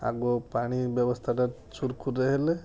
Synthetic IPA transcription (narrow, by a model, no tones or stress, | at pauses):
a̰ɡɔpaɽ̃ibjɔbɔst̪ʰaʈa | t͡ʃuɾkʰuɾeɦele